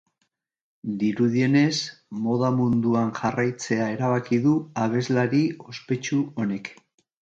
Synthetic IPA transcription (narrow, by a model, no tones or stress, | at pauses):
d̪iɾuðie̞ne̞smo̞ð̞amund̪uanʝarajt͡se̞ae̞ɾaβ̞akiðuaβ̞e̞zlaɾio̞spe̞t͡ʃuo̞ne̞k